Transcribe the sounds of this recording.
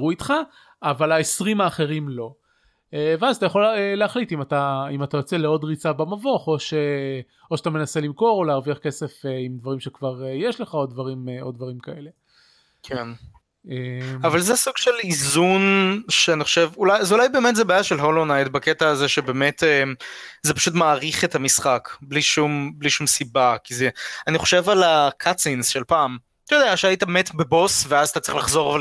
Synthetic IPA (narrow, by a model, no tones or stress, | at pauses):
ʁuit̪χaː | valaesʁimaːχe̞ʁimlo̞ | eveazat̪ajaχo̞leleaχlitimat̪aimat̪ajo̞t͡se̞leo̞dʁit͡sabamavo̞χo̞ʃe | oʃat̪ame̞nase̞limko̞ʁo̞leaʁviaχke̞se̞feimd̪vaʁimʃekvaʁejeʃle̞χao̞d̪̚dvaʁimo̞d̚vaʁimkae̞le̞ | kʰen | eavalzeɛsuɡ̥ʃelizunʃeaniχoʃevulajazulajbe̞ːmetzebaajaʃelɦolonajtbaketaːzeʃebe̞ːmetemzepḁʃutmaːʁiχe̞tamisχakbliʃumbliʃumsibakizeaniχo̞ʃe̞valakʰat͡sinsʃe̞lpaːm | t̪odeaʃeaitabemetbebo̞sveazat̪at͡sʁiχlaχzo̞ʁva